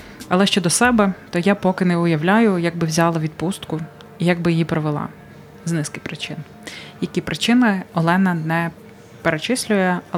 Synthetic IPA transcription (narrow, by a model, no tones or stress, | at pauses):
ɐlˠɛʃt͡ʃɔd̪ɔsɛbɛt̪ɔjapɔkɪnɛʊjɐwlʲajʊjɐɡ̚bɪwzʲalˠɐʋʲid̪̚pust̪kʊ | ijɐɡbɪjijipɾɔʋelˠɑ̰ | znɪskɪpɾɪt͡ʃɪn | jɐkʲipɾʔɪt͡ʃɪnɪɔlˠɛnɐnɛ | peɾet͡ʃɪsʲlʲʊjɛ